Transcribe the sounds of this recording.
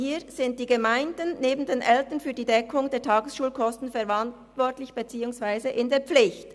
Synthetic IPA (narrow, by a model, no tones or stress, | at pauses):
hiːz̥ɪnt̚d̥iːɡəmaɪndənːeːbn̩deːnʔɛltənfyːɐdiːdɛkʰʊŋdeːɐtʰɑːɡəsʃuːlkʰɔstn̩fɛʁɑnt | vɔɐtlɪçb̥et͡siːʊŋsvaɪzəʔɪndeːɐp͡flɪçt